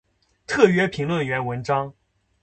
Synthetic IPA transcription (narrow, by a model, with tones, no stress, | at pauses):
t̪ʰɤ˥˩ɥɛ˥pʰi˧˥ŋlwə˥˩nɥɛ˧˥nwə˧˥nʈ͡ʂɑ˥ŋ